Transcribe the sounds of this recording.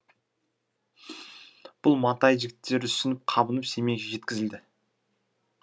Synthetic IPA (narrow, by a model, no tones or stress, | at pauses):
b̥ʊlˠmɑt̪ɑjʒɪɡʲɪt̪ʰːe̞ɾɪ̥sɪnɪp̚qʰɑbənəpse̞me̞ɡʲʒe̞t̪kʲɪzɪld̪ɪ